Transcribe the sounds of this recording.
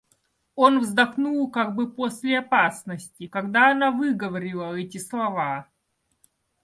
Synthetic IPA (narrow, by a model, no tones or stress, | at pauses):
o̞nvzd̪ɐxnulˠkaɡ̚bɨposʲlʲɪɐpasnəsʲtʲɪkɐɡd̪aɐnavɨɡəvɐɾʲɪlˠəɛtʲɪslˠɐva